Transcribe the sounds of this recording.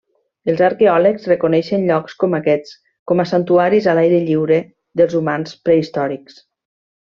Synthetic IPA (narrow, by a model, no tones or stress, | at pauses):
əlˠzaɾkeɔləkzrekunɛʃənʎɔkskɔmakɛt͡s | kɔmasant̪uaɾizalajɾeʎiwɾe | ðəlˠzumanspɾeist̪ɔɾiks